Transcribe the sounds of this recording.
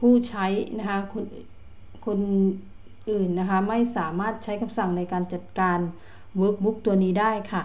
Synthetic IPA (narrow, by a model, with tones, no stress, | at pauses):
pʰuː˥˩t͡ɕʰa˦˥jna˦˥kʰa˦˥kʰo˧n | kʰo˧n | ʔɯː˨˩nːa˦˥kʰa˦˥ma˥˩jsaː˩˦maː˥˩t̪̚t͡ɕʰa˦˥jkʰa˧msa˨˩ŋna˧jkaː˧nt͡ɕa˨˩t̪̚kaː˧n | wɤː˦˥k̚bu˦˥k̚t̪u˧ɐniː˦˥daː˥˩jkʰa˥˩